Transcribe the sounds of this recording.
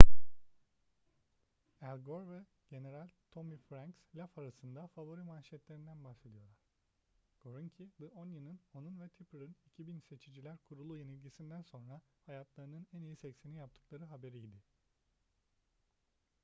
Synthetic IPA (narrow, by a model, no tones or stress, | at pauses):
ælʲɡoɾvɛ | ɟe̞ne̞ɾalʲt̪ʰo̞mifɾaŋkslʲafaɾasɯnd̪afavo̞ɾimaːʃɛt̪lʲe̞ɾind̪ænbahse̞d̪ijo̞lˠaɾ̥ | ɡ̥oɾuɲcʰid̪ɯʔonjɯnɯno̞nunvɛt̪ʰipɯɾɯnicʰibinse̞t͡ʃʰid͡ʒilʲæɾkʰuɾulˠujenilʲɟʲisind̪ænso̞nɾahajat̪lˠaɾɯnɯnænijisɛcsenijap̚t̪ʰɯ̥klˠaɾɯɦabe̞ɾiːd̪ɪ